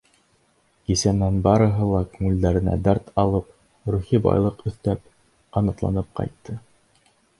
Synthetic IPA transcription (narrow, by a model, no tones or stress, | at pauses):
kisæmnænbɑɾɤ̆ɦɤlˠɑkʉŋʉ̆ld̪æɾɘ̆næ̰d̪æɾt̪ɑlˠɤp | ɾuχibɑ̰jlˠɤqɵ̆θt̪æp̚ | ɑnɤ̆qlˠɑ̰nɤp̚qɑ̰jt̪ʰːɤ